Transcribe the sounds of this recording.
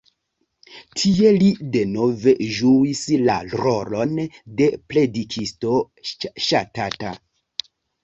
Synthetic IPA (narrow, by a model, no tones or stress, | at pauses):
tʰie̞lide̞no̞ve̞ʒuisla̰ɾolo̞nde̞ple̞dikʰisto̞ | ʃatata̰